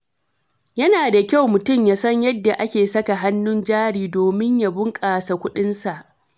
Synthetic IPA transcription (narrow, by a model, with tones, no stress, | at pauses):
jɐ˦naː˨da˨kʲa˦˨wmʊ˨tʊ˦˨mjaː˦sɐ˦ɲjɐ˦dːa˨ʔa˦kʲeː˨sɐ˦ka˨ɦa˦nːʊ˦nd͡ʒaː˦ɽiː˨doː˨mɪ˦ɲja˨bʊ˦ŋkʼaː˨sa˨kʷʊ˦ɗɪ˦nsa˨ʔ